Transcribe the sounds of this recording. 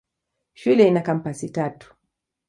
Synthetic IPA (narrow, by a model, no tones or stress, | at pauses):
ʃulɛinakam̩pasitatu̥